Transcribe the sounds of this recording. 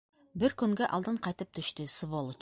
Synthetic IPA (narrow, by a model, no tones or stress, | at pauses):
bɪɾkʲʰʏŋɡʲeʔɑ̰lˠd̪əɴqʰɑjt̪əp̚t̪ʰʏʃt̪ɪsəvolˠ